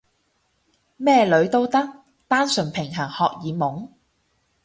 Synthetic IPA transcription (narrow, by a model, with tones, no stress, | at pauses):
mɛː˥lɵ˨˧˥ɥt̪o˥wt̪ɐ˥k̚ | t̪aː˥nsɵ˨˩npʰɪ˨˩ŋɦɐ˨˩ŋhɔː˨k̚jiː˨˧mʊ˨˥ŋ